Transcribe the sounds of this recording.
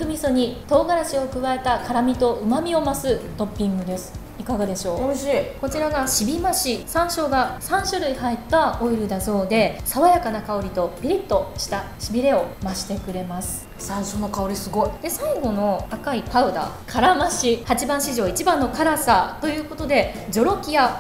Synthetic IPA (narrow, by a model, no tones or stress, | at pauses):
kɯ̟mʲisoɲ̟it̪o̞ːɡaɾaɕio̞kɯ̟βae̞t̪akaɾamʲit̪o̞ɯ̟mamʲio̞masɨt̪o̞pʲːĩŋɡɯ̟d̪e̞sɨ̥ | ikaɡad̪e̞ɕo̞ːko̞t͡ɕiɾaɡaɕibʲimaɕisãɰ̃ɕo̞ːɡasãɰ̃ɕɨɾɯ̟iɦait̪ːaoiɾɯ̟d̪aso̞ːd̪e̞saβajakanakao̞ɾʲit̪o̞b̥ʲiɾʲit̪ːoɕi̥t̪a | ɕibʲiɾe̞o̞maɕi̥t̪e̞kɯ̟ɾe̞masɨ̥ | sãɰ̃ɕo̞no̞kaoɾʲisɨɡo̞id̪̥e̞saiɡo̞no̞akaikaɯ̟d̪a̰kʰaɾamaɕihat͡ɕibãɰ̃ɕiʑo̞ːit͡ɕibãnːo̞kaɾasat̪o̞jɯ̟ːko̞t̪o̞d̪e̞ | d͡ʑo̞ɾo̞kʲija